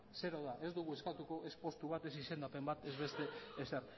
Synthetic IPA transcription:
se̞ɾoðaʔe̞zd̪uɣ̞ueskat̪uko̞ʔe̞spo̞st̪uβ̞at̪e̞sise̞nd̪ape̞mbat̪e̞zβe̞st̪e̞ːseɾ

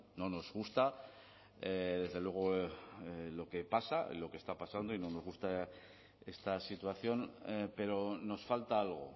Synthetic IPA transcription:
no̞no̞zɣust̪a | eðe̞zðelwe̞ɣ̞o̞ | lo̞ke̞pasa̰ḭlo̞ke̞st̪apasand̪o̞ino̞no̞zɣust̪a | e̞st̪asit̪waθjo̞npe̞ɾo̞no̞sfalt̪aalɣ̞o̞̰

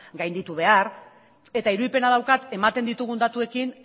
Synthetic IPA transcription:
ɡajnd̪it̪uβe̞aɾ | e̞t̪aiɾuðipe̞naðawkat̪e̞mat̪e̞nd̪it̪uɣ̞und̪at̪ue̞kin

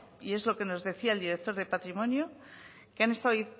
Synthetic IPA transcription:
ie̞zlo̞ke̞no̞zðe̞θiaeld̪iɾek̚t̪o̞ɾðe̞pat̪ɾimõ̞njo | keane̞st̪aoi

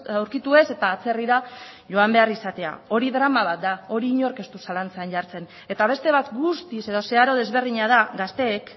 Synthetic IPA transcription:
awɾkit̪ue̞se̞t̪aːt͡se̞riɾa | ʝo̞ambe̞arisat̪e̞a̰o̞ɾiðɾamaβ̞at̪̚d̪ao̞ɾiːɲo̞ɾke̞st̪usalant͡seanʝaɾt͡se̞n | e̞t̪aβ̞e̞st̪e̞β̞at̪ɡust̪ise̞ðo̞se̞aɾo̞ð̞e̞zβe̞rðiɲað̞aɡast̪e̞ːk

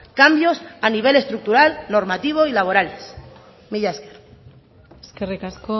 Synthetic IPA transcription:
kambjo̞saniβ̞e̞le̞st̪ɾuk̚t̪uɾalno̞ɾmat̪iβ̞o̞ilaβo̞ɾales | miʎaesker | eskerikasko

